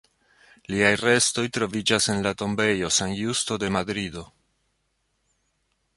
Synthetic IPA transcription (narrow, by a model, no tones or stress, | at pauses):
liajre̞sto̞jtɾo̞vid͡ʒase̞nlato̞mbe̞jo̞sanjusto̞de̞madɾido̞